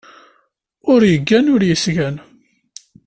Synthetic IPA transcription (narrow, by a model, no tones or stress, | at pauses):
ʊɾjəɡːænʊɾjəsʝæn